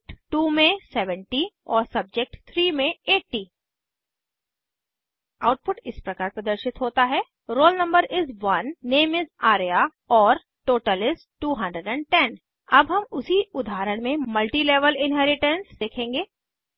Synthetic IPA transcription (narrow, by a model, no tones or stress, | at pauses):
ʈʈuːmẽsɛʋə̃ɳʈiɔːɾsɐb̚d͡ʒek̚ʈt̪ʰɾiːmẽeːʈːi | aːʊʈ̚pʊʈɪspɾɐkaːɾpɾɐd̪əɾʃɪt̪ɦoːt̪aɦɛ | ɾoːlnɐ̃mbəɾɪzʋɐnːeːmɪzaːɾja | ɔːɾ | ʈoːʈəlɪsʈʈuːɦɐ̃ɳɖɾəɖɛ̃ɳɖʈɛn | ɐbɦɐmʊsiʊd̪ʱaːɾəɽ̃mẽmɐlʈileːʋəlɪ̃nɦɛːɾɪʈə̃nsd̪eːkʰẽːŋɡeː